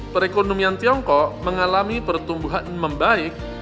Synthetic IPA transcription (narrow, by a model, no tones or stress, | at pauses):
pəɾekonomiant̪iɔŋkɔʔməŋalamipərt̪umbuɦanməmbaɪk̚